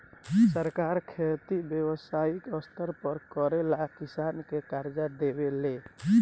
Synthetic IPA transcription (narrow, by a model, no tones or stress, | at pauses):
səɾkaɾkʰet̪ibjewəsaikəst̪ʰəɾpəɾkəɾelakisankekaɾd͡ʒad̪ebele